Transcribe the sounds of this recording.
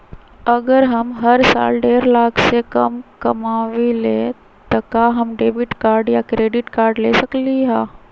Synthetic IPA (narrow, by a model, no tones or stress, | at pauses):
ɐɡəɾɦɐmɦɐɾsa̰ːlɖeːɾlaːkʰsekɐ̰mkɐmaːʋileː | t̪ɐkaɦɐmɖeːbɪʈkaːɾɖjakɾeːɖɪʈkaːɾɖleːsɐkliɦɛː